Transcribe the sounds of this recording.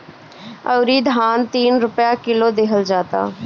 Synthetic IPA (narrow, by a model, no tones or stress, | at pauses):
əʊɾiːd̪ʱaːnt̪iːnɾʊpjaːkɪloːd̪ɪɦʰəld͡ʒaːt̪a̰ː